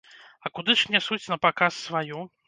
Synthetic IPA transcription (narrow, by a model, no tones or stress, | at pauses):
ɐkud̪ɨʂnʲasut͡sʲnɐpakasːvajɔ